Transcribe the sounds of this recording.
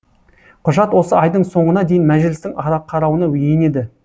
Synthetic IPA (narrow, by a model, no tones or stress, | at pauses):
qʰʊʒɑt̪wo̞səɑjd̪əɴso̞ɴənɑd̪e̞jɪnmæʒɪlɪst̪ɪŋɑɾɑqʰːɑɾɑwənɑwɵjene̞d̪ɪ